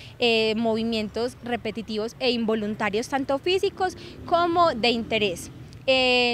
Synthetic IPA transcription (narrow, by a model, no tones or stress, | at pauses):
emo̞βimje̞nt̪o̞sre̞pe̞t̪it̪iβose̞imbo̞lunt̪aɾjost̪ant̪ofisikoskomoðe̞int̪e̞ɾes | e